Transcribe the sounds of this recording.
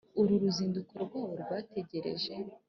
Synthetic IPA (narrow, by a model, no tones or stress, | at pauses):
uɾuɾuziːndukoɾɡwoɾɡwaːte̞ɟe̞ɾe̞̰ʒe̞